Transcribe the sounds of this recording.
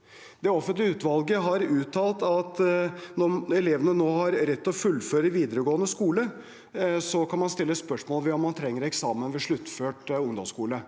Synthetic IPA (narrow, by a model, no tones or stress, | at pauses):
d̪̥ɛɔfənt̪lɪəʉːt̪ʋɑlɡəɦɑɾʉːt̪ʰːɑːlt̪ɑt̪nɔmɛleːʋənənoːhɑɾɾɛt̪ːɔfʉlːføːɾəʋiːd̪əɾəɡoːənəskuːlə | sɔkʰɑnmɑnst̪ɪlːəspœʂmoːlʋɛɔmːɑnt̪ʰɾɛŋːəɾɛksɑːmənʋɛʂɭʉt̪ːføːʈʊŋd̪ɔmskuːlə